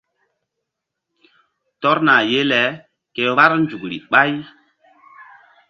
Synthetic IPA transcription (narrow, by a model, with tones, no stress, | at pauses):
tɔ˦ɾna˨je˦lɛ˨˦ | ke˨βa˦ɾnd͡ʒu˨kɾḭ˨ɓa˦j